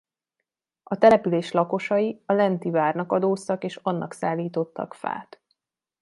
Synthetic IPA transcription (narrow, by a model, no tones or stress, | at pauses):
ɒt̪ɛlɛpyleːʃlɒko̞ʃɒjiɒlɛnt̪ivaːrnɒkɒd̪oːst̪ɒkeːʃɒnːɒ̰ksaːlːiːt̪o̞t̪ːɒ̰kfa̰ːt̪